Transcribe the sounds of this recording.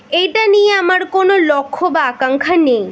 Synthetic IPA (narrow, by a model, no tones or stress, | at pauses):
ejʈanijeamaɾkonolɔkʰːobaakaŋkʰanej